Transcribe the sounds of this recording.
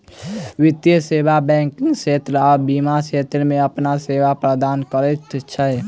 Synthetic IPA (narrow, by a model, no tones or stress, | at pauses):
wɪt̪jəseːbabɛ̃ːŋkɪ̃ŋɡʃeːt̪ɾɔːɾbiːmaʃeːt̪ɾəmẽəpnaseːʋapɾəd̪aːnkəɾet̪t͡ʃʰə